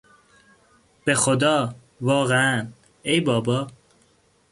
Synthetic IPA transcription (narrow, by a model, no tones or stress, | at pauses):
b̥exod̪ɒː | vɒːɣeæn | ejbɒːbɒː